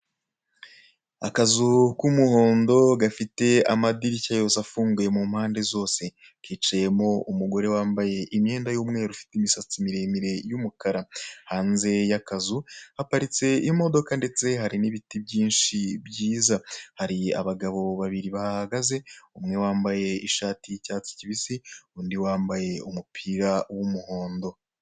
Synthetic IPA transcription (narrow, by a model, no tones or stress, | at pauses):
akazukumuho̞ːndo̞ɡafite̞amadiɾicajo̞safuːŋɡuje̞mumhaːnde̞zo̞ːse̞ | kiːt͡ʃaje̞mo̞umuɡo̞ɾe̞waːmbaje̞ʔimɲe̞ːndajuːmŋe̞ːɾufi̥timisat͡simiɾemiɾe̞jumukaɾahaːnze̞jakazuhapaɾit͡se̞iimo̞do̞kande̞t͡se̞ɦaɾiniβitibɟiːnʃibjiːzahaɾia̰βaɡaβo̞βaβiɾiβahahaɡaze̞umŋe̞waːmbaje̞iʃaːtʰicaːt͡si̥ciβisiuːndiwaːmbaje̞umupʰiɾawumuho̞ːndo̞